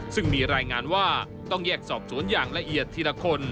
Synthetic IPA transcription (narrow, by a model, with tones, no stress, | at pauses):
sɯ˥˩ŋmiː˧ɾaː˧jŋaː˧nwaː˥˩ | t̪ɔ˥˩ŋjɛː˥˩k̚sɔː˨˩p̚su˩˦ənjaː˨˩ŋla˧ʔi˨˩ət̪ʰːi˧la˧kʰo˧n